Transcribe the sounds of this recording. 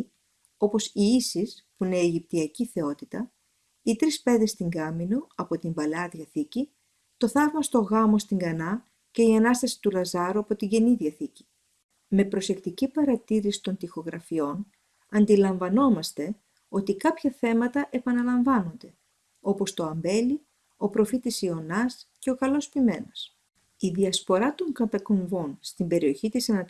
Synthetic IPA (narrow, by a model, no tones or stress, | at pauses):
o̞po̞siisispune̞ːʝip̚t̪iɐciθe̞o̞t̪it̪ɐ | it̪ɾispe̞ðest̪iŋɡɐminoɐpo̞t̪imbɐleɐðʝɐθici | t̪o̞θɐvmɐst̪o̞ɣɐmo̞st̪iŋɡɐnɐ | ce̞iɐnɐst̪ɐsi̥t̪ulɐzɐɾuɐpo̞t̪iɟe̞niðiɐθici̥ | me̞pɾo̞se̞kt̪icipɐɾɐt̪iɾisi̥t̪o̞nt̪ixo̞ɣɾɐfio̞n | ɐnd̪ilɐɱvɐno̞mɐst̪e̞ | o̞t̪ikɐpçɐθe̞mɐt̪ɐʔe̞pɐnɐlɐɱvɐno̞nd̪e̞ | o̞po̞st̪o̞ɐmbe̞li | o̞pɾo̞fit̪isio̞nɐsce̞o̞kɐlo̞spime̞nos | iðiɐspo̞ɾɐt̪o̞ŋkɐt̪ɐko̞ɱvonst̪imbe̞ɾio̞çit̪isɐnɐ